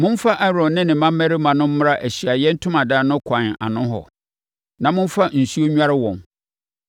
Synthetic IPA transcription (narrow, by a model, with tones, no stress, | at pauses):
mʊ̃˦n˦fa˦ʔɛ˦ɾɔ̃˨nnɪ̃˦nɪ̃˨mã˦mː˦æ˦ɾɪ˦mã˨nʊ̃˦m̩˦mʊ̃˦ɾa˦ʔæ˨ɕi˨a˨jɛ˦n̩˦tʰʊ̃˦mã˨daː˨nʊ̃˦kʷʰã˨n˨a̰˨nʊ̃˦ɦɔ̰˨ | nã˨mʊ̃˦m˦fa˦n̩˨su˦o˦ɲᶣ˦a˦ɾɪ˦wɔ̃˨n